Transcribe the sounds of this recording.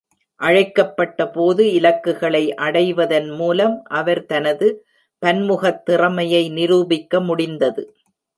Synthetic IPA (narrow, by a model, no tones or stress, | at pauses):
ʔɐɻɐɪkːɐpːɐʈːɐpoːðɯɪlɐkːɯɣɐɭɐɪʔɐɽɐɪʋɐðɐnmuːlɐmʔɐʋɐɾt̪ɐnɐðɯ | pɐnmʊɣɐt̪ːɪrɐmɐjɐɪnɪɾuːbɪkːɐmʊɽɪnd̪ɐðɯ